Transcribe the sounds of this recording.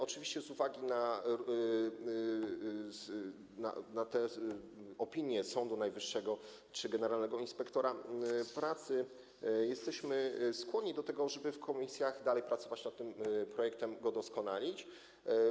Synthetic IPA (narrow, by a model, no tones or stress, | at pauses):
ɔt͡ʂɘvʲiɕt͡ɕɛzuvaɡʲina | na̰nat̪ɛ | ɔpʲiɲjɛsɔnd̪unajvɘʂːɛɡɔ | t͡ʂɘɡɛnɛɾalnɛɡɔinspɛkt̪ɔɾapɾat̪sɘ | jɛst̪ɛɕmɘskwɔɲɲid̪ɔt̪ɛɡɔʐɛbɘfkʰɔmʲisʲjaɣd̪alɛjpɾat̪sɔvat͡ɕnat̪ːɘmpɾɔjɛk̚t̪ɛmɡɔd̪ɔskɔnalʲit͡ɕ